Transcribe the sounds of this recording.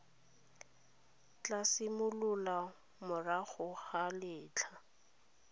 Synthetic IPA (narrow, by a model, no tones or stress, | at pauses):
t͡ɬasɪmʊlʊla | mʊraχʊχalɪːt͡ɬʰa